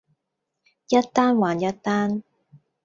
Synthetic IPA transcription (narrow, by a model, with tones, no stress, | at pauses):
jɐ˥t̚t̪aː˥nwaː˨njɐ˥t̚t̪aː˥n